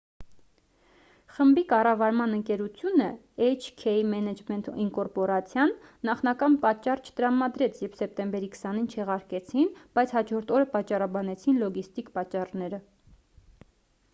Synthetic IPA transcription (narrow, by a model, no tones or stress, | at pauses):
χəmbikɑrɑvɑɾmɑnəŋkɛɾut͡sʰjunə | ɛjt͡ʃʰkʰɛimɛnɛd͡ʒmɛnt̪iŋkɔɾpɔɾɑt͡sʰjɑnːɑχnɑkɑnpɑt͡ʃːɑrt͡ʃʰə̥t̪əɾɑmɑd̪ɾɛt͡sʰjɛvsɛp̚t̪ɛmbɛɾikʰə̥sɑn̪int͡ʃʰɛʁɑɾkɛt͡sʰinb̥ɑjt͡sʰhɑd͡ʒɔɾt̪ʰɔɾəpɑt͡ʃːɑrɑbɑnɛt͡sʰinlɔɡist̪ikpɑt͡ʃːɑrnɛɾə